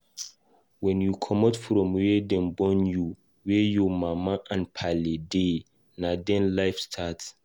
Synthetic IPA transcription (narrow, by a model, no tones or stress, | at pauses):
wɛ̃njukʰɔmɔtfɾɔ̃mwɛdɛ̃mbɔ̃nju | wɛjɔmamaʔãnpʰalede | nadɛ̃nlajfstʰat